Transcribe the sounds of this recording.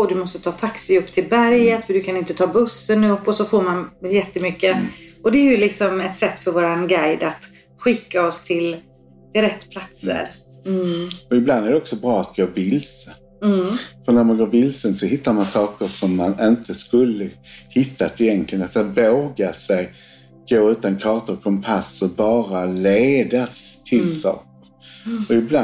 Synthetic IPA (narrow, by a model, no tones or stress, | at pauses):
ɔd̪ɵmɔst̪ət̪ʰɑːt̪ʰaksɪɵpːt̪ʰɪlbæɾjət̪fəd̪ɵkʰanɪnt̪ət̪ʰɑːbɵsːənɵpːɔsɔfoːɾmanjɛt̪ːəmʏkːəɔd̪ɛæɾjɵlɪksɔmɛt̪sɛt̪ːfœɾvoːɾanɡajd̪at̪ | ɧɪkːaɔst̪ʰɪl | t̪ʰɪlɾɛt̪ːpʰlat̪sə̰ɾ | ɔɪbland̪æɾdɛɔksɔbɾɑːat̪̚ɡoːɾvɪlsə | fœɾnæɾmanɡoːɾvɪlsənsɔhɪt̪ːaɾmansɑːkəʂɔmːanɪnt̪ʰəskɵlːəhɪt̪ʰːat̪ɪjɛnkʰlɪɡənat̪avoːɡasɛj | ɡ̥oːʉ̟ːt̪ankʰɑːt̪əkʰɔmpʰasɔbɑːɾaleːd̪ast̪ʰɪlsɑ̰ːkəɾɔɪbla